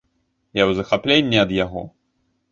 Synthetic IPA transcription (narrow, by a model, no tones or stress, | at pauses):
jawzɐxaplʲenʲːɛɐd̪jaɣɔ̰